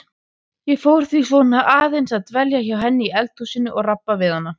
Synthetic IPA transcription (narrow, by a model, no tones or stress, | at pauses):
jɛfowɾ̥θvis̬vɔnaʔaːðejnsaðt̪vɛljaçawɦɛnːɪiɛlt̪usɪnːʏʔɔɣrapːavɪðanːa